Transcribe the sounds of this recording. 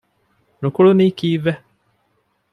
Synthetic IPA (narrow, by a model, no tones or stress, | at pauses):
nukulunikiːve